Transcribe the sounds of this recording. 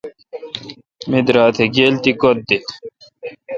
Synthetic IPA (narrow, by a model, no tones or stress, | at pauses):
mid̪ɾaːt̪ʰeɡeːlt̪ikot̪̚d̪i